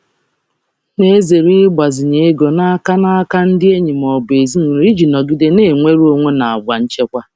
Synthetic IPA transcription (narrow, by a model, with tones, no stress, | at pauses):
ne˦ze˨ɾi˦ɡ͡ba˨zɪ˨ɲe˦e˦ɡo˨na˦ka˦na˦ka˦n̩˦dɪ˦e˦ɲi˨m˨ɔ˨be˨zi˦n˨ɾi˦d͡ʒi˨nɔ˨ɡi˦de˦ne˦˨ŋʷe˦ɾo˦ŋʷe˦na˨a˨ɡ͡ba˨n̩˦t͡ʃe˦kʷa˦